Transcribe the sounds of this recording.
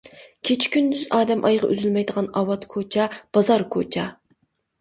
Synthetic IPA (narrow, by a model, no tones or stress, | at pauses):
kʲʰet͡ʃʰi̥kʲynd̪yzɑːd̪ɛmʔɑjʁɑ̰ʔyzylmɛjd̪əʁɑnɑwɑt̪kʰot͡ʃʰɑb̥ɑzɑɾkʰot͡ʃʰɑ